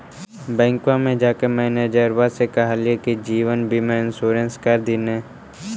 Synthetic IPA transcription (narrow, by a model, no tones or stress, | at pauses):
bɛ̃ːŋkwãmẽd͡ʒaːkemɛ̃ːned͡ʒəɾʋasekɐɦaliekid͡ʒiːʋənbʱimẽɪ̃nsuːɾə̃nskɐɾd̪inẽː